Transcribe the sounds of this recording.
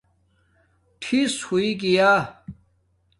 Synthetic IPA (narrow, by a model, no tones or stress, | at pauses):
ʈʰishuiɡijaː